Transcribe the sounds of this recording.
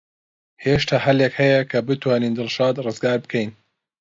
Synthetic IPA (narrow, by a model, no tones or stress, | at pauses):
heʃt̪ʰahɐlekhɐjɐkʰɐbɨt̪waːniːnd̪ɨlʃaːd̪rɨzɡaːɾbɨkʰɛjn